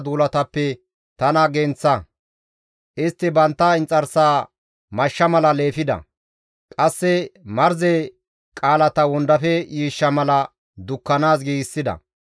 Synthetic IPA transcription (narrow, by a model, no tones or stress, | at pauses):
d̪uːlɐt̪ɐpːɛ | t̪ɐnɐɡɛnt͡sːɐ | ʔɪst̪ːɪbɐnt̪ːɐɪnt͡sʼɐɾsaː | mɐʃːɐmɐlɐle̞ːfɪd̪ɐ̰ | kʼɐsːɛmɐɾzɛ | kʼaːlɐt̪ɐwɔnd̪ɐfɛjiːʃːɐmɐlɐ | d̪ʊkːɐnaːs̬ɡiːɡɪsːɪd̪ɐ̰